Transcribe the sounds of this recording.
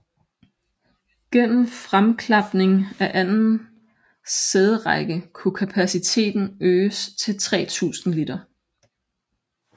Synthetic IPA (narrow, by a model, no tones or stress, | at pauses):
ɡ̥en̰m̩fʁamkʰlɑ̈b̥ne̝ŋæʔænn̩ | seð̞ˠəʁɑɪɡ̥əkʰukʰæpʰæsit͡sʰe̝̰ːd̥n̩øːst͡sʰe̝lt͡sʰʁɛ̰ːt͡sʰṵːsn̩lid̥ɐ